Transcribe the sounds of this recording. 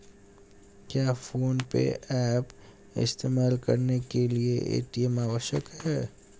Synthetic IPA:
kjaːfoːnpḛʔɛːp | ɪ̰st̪eːmaːlkɐɾnekelieʔḛːʈimaːʋəʃəkɦɛː

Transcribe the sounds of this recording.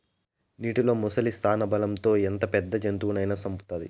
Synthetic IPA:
niːʈilo̞ːmɔsɐlist̪ʰaːnɐbɐlɐmt̪o̞ːent̪ɐpɛd̪ːɐd͡ʒɐnt̪uʋuɳɐjnaːsɐmpu̥t̪aːd̪ḭ

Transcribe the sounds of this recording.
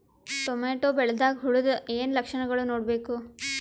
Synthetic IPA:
ʈomeːʈoːbeɭd̪aːkɦʊɽʊd̪eːnləkʃəɳɡəɭonoːɽbeːkoː

